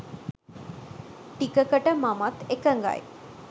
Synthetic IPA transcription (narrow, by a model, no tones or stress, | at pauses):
ʈikəkəʈəmamat̪ekəŋɡa̰j